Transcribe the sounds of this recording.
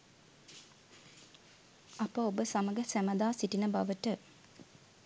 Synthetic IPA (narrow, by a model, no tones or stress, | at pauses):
apəobəsaməɡəsæməd̪aːsiʈinəbaʋəʈə